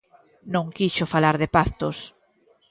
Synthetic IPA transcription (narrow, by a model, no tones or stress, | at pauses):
nõŋkiʃofalaɾðepaθt̪os